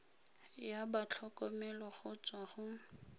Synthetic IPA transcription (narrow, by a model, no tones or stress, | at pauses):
jabat͡ɬʰɔkʼɔmɛlɔχʊt͡sʼwaχʊ